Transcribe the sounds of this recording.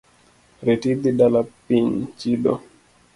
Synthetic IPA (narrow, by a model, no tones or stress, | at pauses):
ɾetid̪iɗalapiɲt͡ʃiɗɔ̰